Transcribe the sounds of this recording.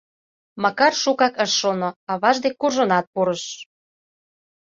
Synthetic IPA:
mɑkɑrʃukɑkə̆ʃːonoɑβɑʒd̪ek̚kːurʒŏnɑt̪̚puɾəʃ

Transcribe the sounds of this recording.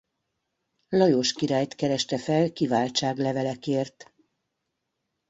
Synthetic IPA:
lɒjoːʃkiɾaːjt̪kɛɾɛʃt̪ɛfɛlkivaːlt͡ʃaːɡlɛvɛlɛkeːrt̪

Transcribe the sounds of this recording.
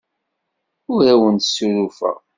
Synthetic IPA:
ʊɾæwənt̪sːuɾufæ̰

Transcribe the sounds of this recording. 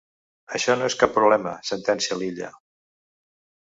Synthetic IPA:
əʃɔnoeskapːɾuβlɛməsənt̪ɛnsiəliʎə̰

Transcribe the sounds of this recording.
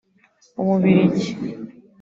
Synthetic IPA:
umuβiɾiɟi

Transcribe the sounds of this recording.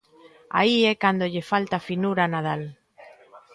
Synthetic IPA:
a̰iɛkand̪oʎefalt̪afinuɾanað̞al

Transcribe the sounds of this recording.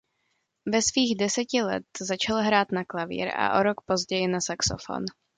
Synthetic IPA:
vɛsviːɣdɛsɛcɪlɛ̰t̪zat͡ʃalɦɾaːt̪naklavḭːɾa̰ʔoɾokpo̞zɟɛjɪnasakso̰fo̞̰n

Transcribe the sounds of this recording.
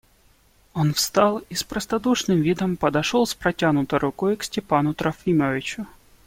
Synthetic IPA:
onfst̪ɑlˠispɾəst̪ɐd̪uʂnɨmvʲid̪əmpəd̪ɐʂolˠspɾɐtʲanʊt̪əjɾʔʊkojksʲtʲɪpanʊt̪ɾɐfʲiməvʲɪt͡ɕʊ

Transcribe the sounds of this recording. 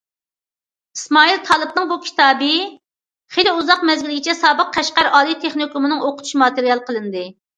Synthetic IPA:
ismɑːilˠt̪ʰɑlˠɨbnɨŋbukʲʰi̥t̪ʰɑːbɨ | χelɪuzɑqmɛzɡʲilɪɡʲit͡ʃʰɛsɑːbəq̚ːʰæʃqæɾɑːlˠijt̪ʰeχnikumɨnɨŋoqʰʊt̪ʰu̥ʃimɑt̪ɪɾijɑlˠəqʰəlˠɨnd̪ɨ

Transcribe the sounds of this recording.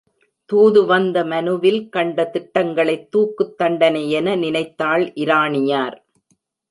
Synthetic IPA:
t̪uːðɯʋɐnd̪ɐmɐnɯʋɪlkɐɳɖɐt̪ɪʈːɐŋɡɐɭɐɪt̪ːuːkːɯt̪ːɐɳɖɐnɐjɛnɐnɪnɐɪt̪ːaːɭʔɪɾaːɳɪjaːɾ

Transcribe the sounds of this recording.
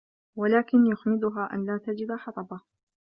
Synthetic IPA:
walaːkɪnjʊxmɪd̪ʊɦaːʔa̰nlaːt̪ad͡ʒɪd̪aħɑt̪ˤɑba

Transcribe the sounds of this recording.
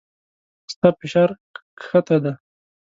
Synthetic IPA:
st̪afɪʃaɾ | xat̪ad̪a

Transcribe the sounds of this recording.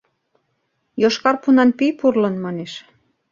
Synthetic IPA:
joʃkɑrpunɑnpijpurlənmɑneʃ

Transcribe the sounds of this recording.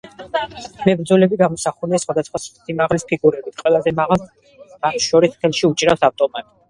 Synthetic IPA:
mɛbɾd̪zɔlɛbiɡamɔsaχunɛsχwad̪asχwast̪ʰimaʁlispʰiɡuɾɛbit̪ʰqʼwɛlˠazɛmalˠ | mat̪ʰʃɔɾist̪ʰɛlˠʃiut͡ʃʼiɾafsaft̪ʼɔmat̪ʼ

